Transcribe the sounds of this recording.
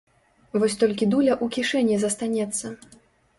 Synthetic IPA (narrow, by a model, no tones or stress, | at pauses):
vɔsʲt̪ɔlʲkʲid̪ulʲɐʔukʲiʂɛnʲːizɐst̪anʲɛt̪sːɐ